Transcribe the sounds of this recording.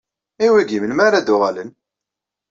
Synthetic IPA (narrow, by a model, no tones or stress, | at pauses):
iwiɡiməlmaɾad̪ʊʁalən